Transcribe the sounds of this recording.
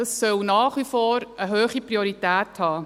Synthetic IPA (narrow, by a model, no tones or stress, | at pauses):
ɑsːœwnɑːχʋifoːɾəɦøːχipʁioɾitæːthɑː